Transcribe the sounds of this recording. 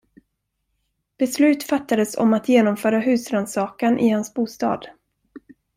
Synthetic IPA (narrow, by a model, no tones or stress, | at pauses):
b̥ɛslʉ̟ːt̪fat̪ːad̪əsɔ̰mat̪jeːnɔmfœːɾaɦʉ̟ːsɾand̪sɑːkanʔɪ̰hansbuːst̪ɑ̰ːd̪̥